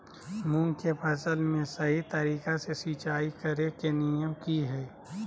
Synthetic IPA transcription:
mũŋkepʰɐsəlmẽsɐɦit̪əɾiːkasesiːt͡ʃaːikəɾekenijəmkiɦɛː

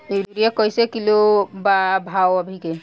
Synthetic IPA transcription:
eɾɾiekɔjsekilobabʱawəbʱike

